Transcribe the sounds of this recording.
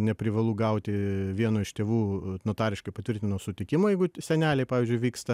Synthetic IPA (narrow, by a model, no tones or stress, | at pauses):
nʲɛpʲɾʲɪʋɐlˠuɡɐʊt̪ʲɪʋʲiɛnoːɪʃt̪ʲeːʋuːnot̪ɑːɾʲɪʃkɐɪpɐt̪ʋʲɪrʲt̪ʲɪnoːsʊt̪ʲɪkʲɪmoːjɛɪɡʊsʲɛnʲæːlʲɛɪpɑːʋʲiːzʲd͡ʒʲʊɪʋʲiːkst̪ɐ